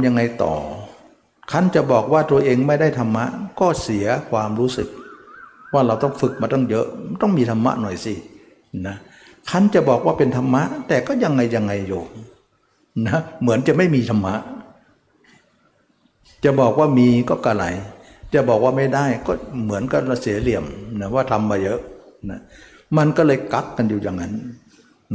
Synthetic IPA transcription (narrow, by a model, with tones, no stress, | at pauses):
ja˧ŋːa˧jt̪ɔ̰ː˨˩ | kʰa˥˩nt͡ɕa˨˩bɔː˨˩k̚waː˧˥˩t̪u˧ɐʔeː˧ŋma˥˩jda˥˩jt̪ʰa˧mːa̰˦˥ʔkɔː˥˩si˨˩˦ɐkʰwaː˧mɾuː˦˥sɯ˨˩k̚ | waː˥˩ɾa˧wt̪ɔ˥˩ŋfɯ˨˩k̚maː˧t̪ɔ˥˩ŋjɤ˦˥ʔt̪ɔ˥˩ŋmiː˧t̪ʰa˧mːa̰˦˥ʔnɔ˨˩jsi˧˩ | na˧˦˥ | kʰa˧˥˨nt͡ɕa˨˩ʔbɔː˨˩k̚waː˥˩pe˧nt̪ʰa˧mːa˦˥ʔt̪ɛː˨˩kɔː˥˩ja˧ŋːa˧jːa˧ŋːa˧jːuː˨˩ | na˧˦mɯ˩˦ənt͡ɕa˨ʔma˥˩jmiː˧t̪ʰa˧mːa˦˥ʔ | t͡ɕa˨˩ʔbɔː˨˩k̚waː˥˩miː˧kɔː˥˩kaː˧˩la˨˧˩j | t͡ɕa˨˩ʔbɔː˨˩k̚waː˥˩ma˥˩jda˥˩jkɔː˥˩mɯ˩˦ənka˧˥˩la˧˩si˩˦li˨˩əmna˧˩waː˥˩t̪ʰa˧mːaː˧jɤ˦˥ʔna˦˥ | ma˧nkɔː˥˩lɤː˧jka˦˥kːa˧njuː˨˩ja˨˩ŋːa˦˥n